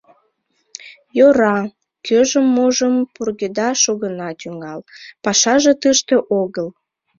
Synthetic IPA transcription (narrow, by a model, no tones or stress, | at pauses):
joɾɑ | kʰøʒəmːoʒəmpurɣed̪ɑʃoɣənɑt̪yŋɑlpɑʃɑʒe̽t̪əʃt̪ĕʔoɣəl